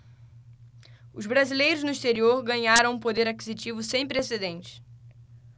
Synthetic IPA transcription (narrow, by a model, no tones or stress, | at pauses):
ʊzbɾazilejɾʊznʊiʃt̪eɾioɾɡɐ̃ɲaɾɐ̃w̃ũpod̪eɾakizit͡ʃivʊsẽj̃pɾesed̪ẽnt͡ʃɪ̥s